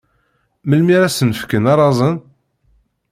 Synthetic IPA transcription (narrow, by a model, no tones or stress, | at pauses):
məlmiɾæsənəfkənɑɾˤɑzˤən